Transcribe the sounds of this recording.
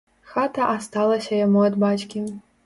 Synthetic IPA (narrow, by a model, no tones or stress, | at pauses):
xat̪ɐʔast̪alˠɐsʲɐjamuad̪bat͡ʃkʲi